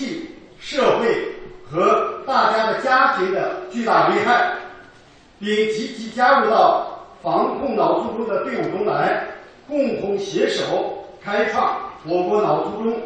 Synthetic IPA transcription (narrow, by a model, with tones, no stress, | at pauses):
i˥˩ | ʂɤ˥˧xwe˥˩ɪxɤ˧˥t̪a˥˩t͡ɕja˥d̪ə˨t͡ɕja˥t̪ʰi˧˥d̪ə˧t͡ɕy˥˧t̪a˥˩li˥˧xa˥˩ɪ | pi˥˩ŋt͡ɕi˧˥t͡ɕʰi˧˥t͡ɕja˥ɻu˧˥t̪ɑ˥˩ʊfɑ˧˥ŋkʰʊ˥˩ŋnɑ˨˩ʊt͡su˥˧ʈ͡ʂʊ˥ŋd̪ə˨pɛ˥˧u˨˩ʈ͡ʂʊ˥ŋla˧˥ɪ | kʊ˥˩ŋt̪ʰʊ˧˥ŋɕjɛ˧˥ʂo˨˩˦ʊkʰa˥ɪfɑ˥˩ŋwɔ˨˧˩kwɔ˧˥nɑ˨˩ʊt͡su˥˩ʈ͡ʂʊ˥ŋ